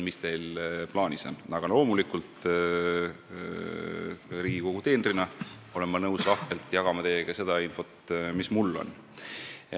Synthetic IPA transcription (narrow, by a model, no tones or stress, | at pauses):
mist̪e̞jlplɑːniso̞̰nɑɡ̥ɑlo̞ːmulikˑult̪ | riːɡ̥iko̞ɡ̥ut̪e̞ːnrinɑ | o̞le̞nmːɑnɤwslɑht̪e̞lt̪ˑjɑɡ̥ɑmɑt̪e̞ːɡ̥ɑse̞d̪̥ɑinfo̞t̪mismulːo̞̰n